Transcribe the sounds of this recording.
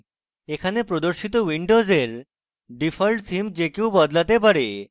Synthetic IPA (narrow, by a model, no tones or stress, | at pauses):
ekʰanepɾod̪oɾʃit̪owiɳɖozeɾ | ɖifʰalʈsimd͡ʑekewbɔd̪lat̪ep̬aɾe